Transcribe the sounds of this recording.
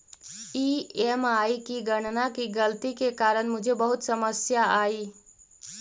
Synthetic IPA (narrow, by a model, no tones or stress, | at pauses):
iemaikiɡəɽ̃nakiɡəlt̪ikekaːɾəɳmʊd͡ʒʱebəɦʊt̪səməsjaaːi